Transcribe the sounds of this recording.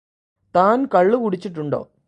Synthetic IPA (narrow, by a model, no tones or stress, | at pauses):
t̪aːnkɐɭːɨkuɽit͡ɕːiʈːuɳɖo̞̰ː